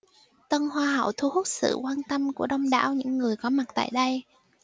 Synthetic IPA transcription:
t̪ə˧nhwaː˧ɦə̰˧˩˨wt̪ʰu˧hu˦˥t̚sɨ̰˧˨kwaː˧nt̪ə˧mku˧˩əɗə˧wŋ͡mɗa̰ː˧˥wɲɨ̰˧˥ŋːɨ˨˩əjkɔ˨˦ma˨˩t̚t̪a̰ː˧˨jɗə˧j

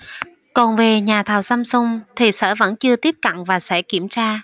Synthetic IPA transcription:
kɔ˨˩nve˨˩ɲaː˨˩t̪ʰaː˨˩wsa˧msʊ˧ŋ͡mt̪ʰi˨˩sɛ̰ː˧˥və̰˧˥nt͡ɕɨ˧ət̪i˦˥əp̚ka̰˧˨ŋvaː˨˩sɛ̰˧˥ki˧˩əmt͡ɕaː˧

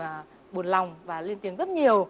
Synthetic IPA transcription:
ɓu˨˩ənla˨˩wŋ͡mvaː˨˩li˧ənt̪i˨˦əŋzə˦˥t̚ɲi˨˩əw

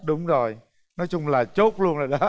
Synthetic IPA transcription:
ɗʊ˨˦ŋ͡mzo˨˩j | nɔ˨˦jt͡ɕʊ˧ŋ͡mlaː˨˩t͡ɕo˦˥t̚lu˧ənzoː˨˩jɗɔ˨˦

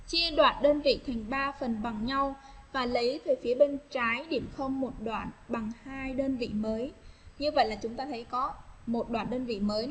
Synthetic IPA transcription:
t͡ɕi˧əɗwa̰ː˧˨˩nɗəː˧nvḭ˧˨t̪ʰa˨˩jŋ̟ɓaː˧fə˨˩nɓa˨˩ŋɲa˧wvaː˨˩lə˨˦jt̪ʰəː˨˩jfi˨˦əɓe˧nt͡ɕaː˨˦jɗḭ˧˩əmxə˧wŋ͡mmo˨˩t̚ɗwa̰ː˧˨nɓa˨˩ŋhaː˧jɗəː˧nvḭ˧˨məː˨˦jɲɨ˧və̰˧˨jlaː˨˩t͡ɕʊ˨˦ŋ͡mt̪aː˧t̪ʰə˨˦jkɔ˨˦mo˨˩t̚ɗwaː˧˩nɗəː˧nvḭ˧˨məː˨˦j

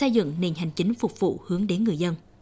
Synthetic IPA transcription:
ə˧jzɨ̰˧˨ŋne˨˩nɦa˨˩jŋ̟t͡ɕï˨˦ŋ̟fʊ˨˩k͡p̚vṵ˧˨hɨ˨˦əŋɗe˨˦nŋɨ˨˩əjzə˧n

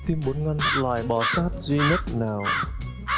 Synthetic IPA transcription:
t̪i˧mɓo˨˦nŋa˧ŋlwaː˨˩jɓɔ˧˩saː˦˥t̚zwi˧ɲə˦˥t̚naː˨˩w

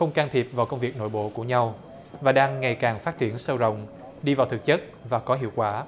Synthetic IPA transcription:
xə˧wŋ͡mkaː˧nt̪ʰi˨˩p̚vaː˨˩wkə˧wŋ͡mvi˨˩k̚no̰˧˥˨jɓo̰˧˨ku˧˩əɲa˧w | vaː˨˩ɗaː˧ŋːa˨˩jkaː˨˩ŋfaː˦˥t̚t͡ɕi˧˩ənsə˧wzə̰˧˨wŋ͡m | ɗi˧vaː˨˩wt̪ʰɨ˨˩k̚t͡ɕə˦˥t̚vaː˨˩kɔ˨˦ɦḭ˧˨əwkwaː˧˩

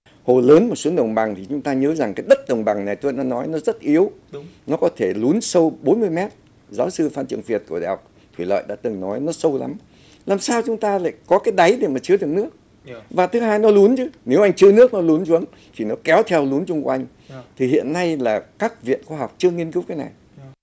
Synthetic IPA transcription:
ho˨˩ləː˨˦nmo˨˩t̚su˨˦nɗə˨˩wŋ͡mɓa˨˩ŋt̪ʰi˨˩t͡ɕʊ˨˦ŋ͡mt̪aː˧ɲəː˨˦za˨˩ŋkaː˨˦jɗə˦˥t̚ɗə˨˩wŋ͡mɓa˨˩ŋna˨˩jt̪u˧na˧nɔ˨˦jnɔ˨˦zə˦˥t̚ʔi˨˦əwnɔ˨˦kɔ˨˦t̪ʰe˧˩lu˨˦ənsə˧wɓo˨˦nmɨ˧əjmɛ˦˥t̚ | zaː˨˦wsɨ˧faː˧nt͡ɕɨ˨˩əŋfi˨˩ət̚ku˧˩ɗa̰ː˨˩ha˨˩k͡p̚ | t̪ʰwḭ˧˩lə̰ː˧˨jɗa̰ː˧˥t̪ɨ˨˩ŋnɔ˨˦jnɔ˨˦sə˧wla̰˨˦m | laː˨˩msaː˧wt͡ɕʊ˨˦ŋ͡mt̪aː˧la̰ː˧˨jkɔ˨˦kaː˨˦jɗa˨˦jɗe˧˩maː˨˩t͡ɕɨ˧ɗɨ˨˩ək̚nɨ˦˥ək̚ | vaː˨˩t̪ʰɨ˨˦ɦaː˧jnɔ˨˦lu˨˦ənt͡ɕɨ˨˦ne˨˦wʔa˧jŋ̟t͡ɕɨ˧ənɨ˦˥ək̚nɔ˨˦lu˨˦nzu˨˦ən | t̪ʰi˨˩nɔ˨˦kɛ˨˦wt̪ʰɛ˧wlu˨˦nt͡ɕʊ˧ŋ͡mkwwa˧ŋ̟ | t̪ʰi˨˩hḭ˧˨ənːa˧jlaː˨˩kaː˦˥k̚vḭ˧˨ənxaː˧ɦa˨˩wk͡p̚t͡ɕɨ˧əŋi˧ənkɨ˨˦wkaː˨˦jna̰˨˩j

